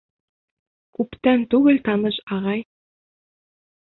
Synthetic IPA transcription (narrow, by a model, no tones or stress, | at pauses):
kʉpt̪ænt̪uɣɘ̆lʲt̪ɑnɤ̆ʃɑʁɑj